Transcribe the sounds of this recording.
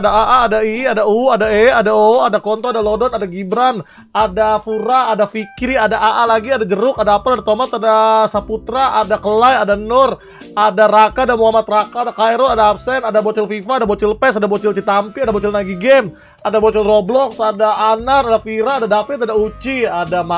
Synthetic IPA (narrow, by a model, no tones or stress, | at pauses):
adaaʔaːdaiadauadaɛadaoadakɔnt̪ɔadalodɔnadaɡibɾan | adafuɾaːdafikɾiadaʔaʔalaɡiadad͡ʒəɾʊkadaːpaladat̪omat̪adasaput̪ɾaʔadakəlajadanʊr | adaɾakaːdamuɦamat̪rakaadakajɾɔadaːp̚sɛnadabot͡ʃɪlfifaːdabot͡ʃɪlpɛsadabot͡ʃɪlt͡ʃit̪ampiadabot͡ʃɪlnaɡiɡɛm | adabot͡ʃɪlroblɔksadaːnaɾadafiɾaːdadafɪt̪adaut͡ʃiadama